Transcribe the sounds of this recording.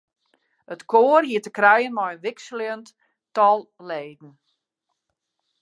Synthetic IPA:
ətkʰoːərhiətəkrɛjənmɔjənʋɪksələənt | tɔlˠleːdn̩

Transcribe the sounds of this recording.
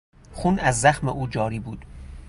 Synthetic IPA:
xunæzːæxmḛʔuːd͡ʒɒːɾiːbuːd̪̥

